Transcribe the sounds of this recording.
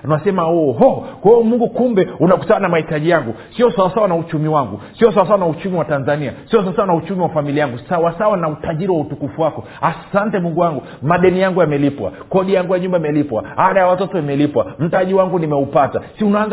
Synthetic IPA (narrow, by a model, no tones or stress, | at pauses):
nwasɛmaɔɦɔkɔɔmuŋɡukumbɛunaku̥tananamahitaʄijaŋɡusiɔsawasawanaut͡ʃumiwaŋɡusiɔsawasawanaut͡ʃumiwatanzaniasiɔsaasawanaut͡ʃumiwafamiliajaŋɡusawasawanautaʄiɾiwautukufuwakɔ | asantɛmuŋɡuwaŋɡu | maɗɛnijaŋɡujamɛlipwa̰kɔɗijaŋɡujaɲumbaimɛlipwa̰haɗajawatɔtɔimɛlipwam̩taʄiwaŋɡunimɛupatasiunaːnz